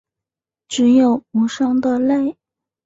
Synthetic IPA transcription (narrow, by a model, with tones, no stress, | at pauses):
ʈ͡ʂɻ̩˧˥jo˨˩ʊu˨˧˥ʂɑ˥ŋd̪ə˨le˥˩ɪ